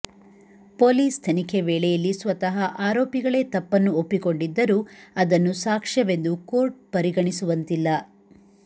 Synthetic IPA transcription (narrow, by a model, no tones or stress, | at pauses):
poːliːst̪ʰɐnikʰeʋɛːɭɛjɐlːisʋɐt̪ɐɦɐʔaːɾoːpiɡɐɭe̞ːt̪ɐpːɐnːuopːiko̞ɳɖid̪ːɐɾuːɐd̪ɐnːusaːkʂɐʋe̞nd̪uko̞ːɾʈ̚pɐɾiɡɐɳisuʋɐnt̪ilːɐ